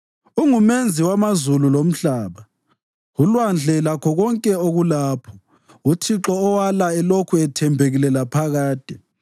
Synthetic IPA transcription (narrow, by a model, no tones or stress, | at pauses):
uŋumend͡zʱiwamazululom̩ɬaːβa | ulwand͡ɮʱɛlakʰɔɣɔŋkʼɛoɣulaːpʰɔ̥ | utʰiǁɔːwalaɛlokʰuɛtʰɛmbʱeɣilɛlapʰaɣaːd̥ʱɛ